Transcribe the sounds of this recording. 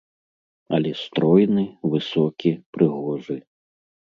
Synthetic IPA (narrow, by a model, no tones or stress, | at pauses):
ɐlʲɛst̪ɾɔjnɨvɨsɔkʲipɾɨɣɔʐɨ